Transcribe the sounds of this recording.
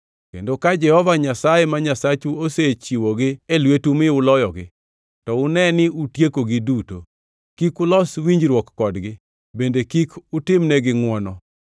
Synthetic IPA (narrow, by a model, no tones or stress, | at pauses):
kḛndokad͡ʒɛhɔvaɲasajemaɲasat͡ʃuoset͡ʃiwɔɡɪelwetumɪʊlɔjɔɡɪ̰ | tɔʊnɛnɪutjekoɡɪduto | kikʊlɔswiɲd͡ʒɾwɔkːɔdɡɪ | bendekikʊtɪmnɛɡɪŋwɔnɔ